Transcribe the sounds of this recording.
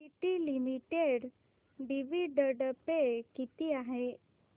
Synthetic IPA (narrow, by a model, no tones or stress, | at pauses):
iʈ̪ilimiʈeɽ | ɖiʋiɖəɽəpekit̪iaɦe